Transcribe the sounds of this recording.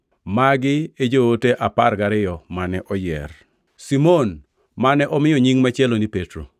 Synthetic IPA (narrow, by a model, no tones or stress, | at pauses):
maɡɪed͡ʒooteʔaparɡaɾɪjɔmanɛʔɔjɛ̰r | simon | manɛʔɔmɪjɔɲiŋmɛt͡ʃɛlonipetɾo̰